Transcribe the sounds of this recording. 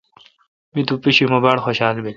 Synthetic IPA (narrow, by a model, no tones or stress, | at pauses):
mit̪upiɕimɐbaːɽxoɕaːlbe